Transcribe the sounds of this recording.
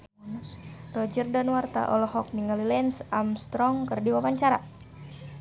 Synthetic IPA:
rɔd͡ʒərdanwart̪a̰ʔɔlɔhɔk̚niŋalilɛnsamst̪ɾɔŋkərdiwawaɲt͡ʃaɾa

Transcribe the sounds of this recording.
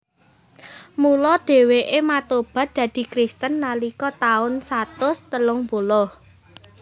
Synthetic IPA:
mulɔd̪̥e̤weʔemat̪ob̥ä̤t̪̚d̪̥ä̤d̪̥i̤kɾist̪ənːalikɔt̪aʊnsat̪ʊst̪əlʊŋbolɔh

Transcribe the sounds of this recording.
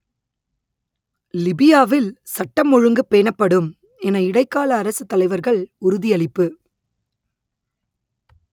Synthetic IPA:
lɪbɪjaːʋɪlsɐʈːɐmːɔɻɯŋɡɯpːeːnɐpːɐɽɯm | ɛnɐɪɽɐɪkːaːlɐːɾɐsɯt̪ːɐlɐɪʋɐɾɣɐɭʊɾʊðɪjɐɭɪpːɯ

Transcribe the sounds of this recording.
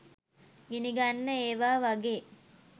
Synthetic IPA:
ɡiniɡanːəeːʋaːʋaɡeː

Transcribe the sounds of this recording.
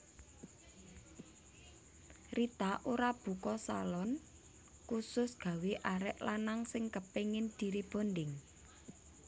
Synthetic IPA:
rit̪aʔoɾab̥ṳkɔsalɔn | kusʊsɡ̥a̤weʔaɾɛʔlanaŋsɪŋkəpeŋɪnd̪̥i̤ɾeb̥o̤ndɪŋ

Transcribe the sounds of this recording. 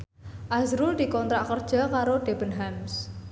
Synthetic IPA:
ʔazɾʊld̪i̤kɔnt̪ɾaʔkərd̥ʒ̥a̤kaɾoɖ̥e̤b̥ənɦams

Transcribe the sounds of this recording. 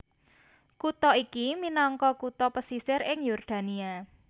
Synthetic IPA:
kut̪ɔikiminɔŋkɔkut̪ɔpəsisɪɾɪŋjɔrd̪̥ä̤nia

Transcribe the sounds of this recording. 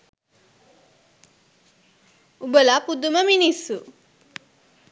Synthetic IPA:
ubəlapud̪uməminisːu

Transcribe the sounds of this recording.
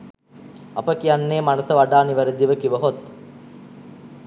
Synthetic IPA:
ɐpəkijanːeːmanəsəʋaɖaːniʋəɾed̪iʋəkiʋəɦot̪

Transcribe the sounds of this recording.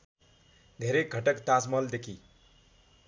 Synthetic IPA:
d̪ʱeɾek̚ɡʱʌʈʌkt̪asmʌld̪ekʰi

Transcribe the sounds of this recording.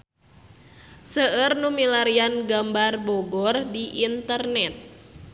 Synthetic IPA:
səərnumilaɾianɡambarbɔɡɔrdiʔint̪ərnɛt̪̚

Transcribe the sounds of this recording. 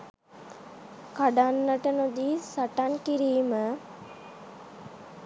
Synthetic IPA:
kaɖanːəʈənod̪iːsaʈankiɾiːmə

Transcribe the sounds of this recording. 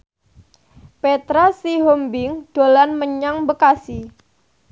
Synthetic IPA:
pet̪ɾasiɦombɪŋɖ̥olanməɲaŋbəkasi

